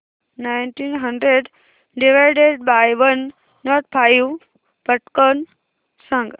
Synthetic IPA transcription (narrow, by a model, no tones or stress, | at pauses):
najnʈinɦə̃ɳɖɾeɖ | ɖiʋajɖeɖ̚bajʋənː | ɔʈ̚pʰaju | pəʈkən | sãŋɡ